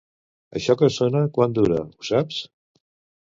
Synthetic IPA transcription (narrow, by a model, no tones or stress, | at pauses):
ə̰ʃɔkəsonəkwand̪uɾə̰usaps